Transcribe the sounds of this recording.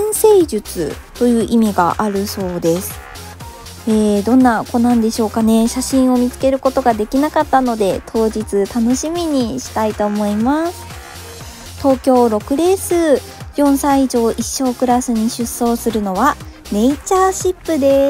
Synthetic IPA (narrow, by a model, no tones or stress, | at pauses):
ɰ̃se̞ːʑɨt͡sɨ̰t̪o̞jɯ̟ːʔimʲiɡa̰ʔaɾɯ̟so̞ːd̪e̞sɨ̥ | eːd̪õ̞nːakonãnd̪e̞ɕo̞ːkane̞ɕaɕĩɰ̃o̞mʲit͡sɨ̥ke̞ɾɯ̟ko̞t̪o̞ɡad̪e̞kʲinakat̪ːano̞d̪e̞t̪ʰo̞ːʑit͡sɨt̪ano̞ɕimʲiɲ̟iɕi̥t̪ait̪o̞ːmo̞imasɨ̥ | t̪o̞ːkʲo̞ːɾo̞kɯ̟ɾe̞ːsɨː | jõ̞ɰ̃saiʑo̞ːʔiɕːo̞ːkɯ̟ɾasɨɲ̟iɕɨsːo̞ːsɨɾɯ̟no̞βa | ne̞it͡ɕaːɕipːɯ̟d̪e̞